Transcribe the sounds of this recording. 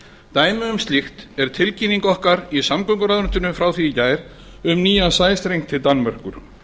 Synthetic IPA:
t̪aːjmʏʏmst̪lixt̪ɛɾ̥t̪ʰɪlciniŋkɔhkaɾisamkœŋkʏɾaðɾʏnt̪ʏnʏfɾawθiːcaːjɾ | ʏmniːjasaːjst̪ɾejŋt̪ʰɪlt̪anːmar̥kʏɾ̥

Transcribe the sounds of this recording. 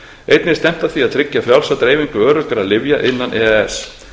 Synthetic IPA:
ejt̪nɪst̪ɛm̥t̪aθiaðt̪ʰɾɪcːafɾjawlsat̪ɾeːjviŋkʏœːɾʏkaɾaðlɪvjaʔɪnːanʔɛːɛɛs

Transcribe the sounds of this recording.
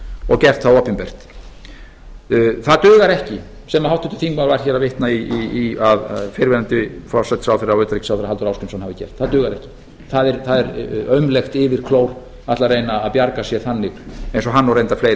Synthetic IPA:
ɔɣcɛr̥t̪θawɔːpɪmpɛr̥t̪ | θaðt̪ʏːɣaɾɛhcɪ | sɛmahawht̪ːʏnt̪ɪ̥θiŋkmaɾvaɾ̥çɛːɾaðvɪht̪naiiiaðfɪɾvɛnant̪ɪfɔ̥sajt̪sawθɛɾawœɥt̪ɾicsawθɪɾaalt̪ʏɾawskʏnsnhavɪcɛ̰r̥t̪θaðt̪ʏːɣaɾɛhcɪ̥ | θaðɛɾθaðɛɾœɥmlɛxt̪ɪvɪɾ̥kʰloːwɾ | at̪larejnaːðpjaɾkasjɛθanːɪɣejnsɔɦanːɔɾrejnt̪afleːjɾ

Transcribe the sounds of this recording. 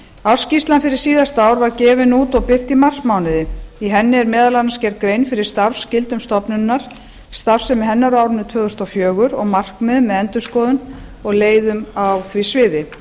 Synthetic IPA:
aw̥scist̪lanfɪɾɪɾ̥siːðast̪aːwɾvaɾcɛːvɪnuːt̪ɔɣpɪr̥t̪imar̥smaːwnɪðɪiɦɛnːɪɛɾmɛːðalanascɛɾt̪̚kɾejnfɪɾɪ̥st̪aɾfscɪlt̪ʏmst̪ɔpnʏnːaɾ̥ | st̪aɾsɛmɪɦɛnːaɾaːwɾɪnːʏt̪ʰœːðʏst̪ɔwfjœːɣʏɾɔɣmar̥kmɛðʏmːɛðɛnt̪ʏskɔːðʏn | ɔɣleːjðʏmawθvisvɪːðɪ

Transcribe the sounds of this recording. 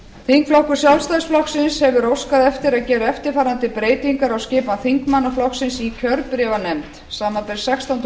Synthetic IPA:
θiŋkflɔhkʏɾ̥sjawlst̪aðsflɔhksɪnshɛvʏɾowskaðɛft̪ɪɾaðcɛːɾɪɛft̪ɪɾ̥faːɾant̪ɪpɾeːjt̪iŋkaɾawscɪːpanθiŋkmanːaflɔhksɪnsicʰœɾpɾɛvanɛmt̪ | saːmapɛɾ̥sɛkst̪ɔnt̪

